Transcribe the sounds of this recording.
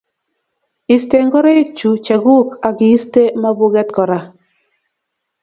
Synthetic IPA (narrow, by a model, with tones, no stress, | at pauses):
i˨ste˦ŋɡɔ˦ɾe˦i˦t͡ʃu˨t͡ʃa˨ɡu˦ka˨ɡɪ˨i˦ste˦ma˦bʊ˦ɡɛ˦t̪kɔ˨ɾa˨